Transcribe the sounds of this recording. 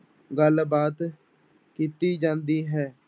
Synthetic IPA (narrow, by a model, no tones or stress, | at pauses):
ɡəlbaːt̪ | kiːt̪iːd͡ʒãːnd̪iːɦɛː